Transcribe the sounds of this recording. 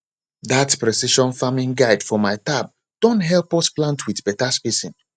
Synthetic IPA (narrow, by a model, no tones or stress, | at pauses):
ðatpɹɛsiʃɔ̃nfamĩnɡaɪdfɔmaɪtab̚ | d̥ɔ̃ntɦɛlˠpɔsplãntʰwiθbɛtaspisĩn